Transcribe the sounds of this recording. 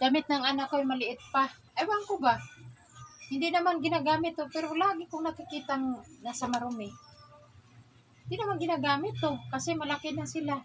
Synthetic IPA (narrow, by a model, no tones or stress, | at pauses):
ɡamɪt̪̚naŋʔanakoajmalɪʔɪt̪̚pa | ʔajwaŋkoba | hɪnd̪ɪʔnamanɡɪnaɡaːmɪt̪ːopɛɾolaːɡɪkʊŋnakɪkiːt̪aŋnasamaɾomɪ | hɪnd̪ɪʔnamanɡɪnaɡaːmɪt̪ːokasɛmalakɪnasɪla